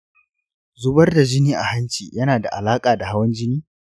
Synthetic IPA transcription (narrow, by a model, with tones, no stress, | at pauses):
zʊ˦bɐ˦rda˨d͡ʒɪ˦niː˦ʔa̰˨ha˦nt͡ʃiː˨jɐ˦naː˨da̰˨ʔa̰˨laː˦kʼaː˨da˨ha˦wɐ˦nd͡ʒɪ˦niː˦